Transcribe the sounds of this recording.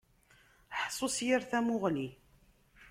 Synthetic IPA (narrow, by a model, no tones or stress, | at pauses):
ħsˤosjiɾθæmʊʁli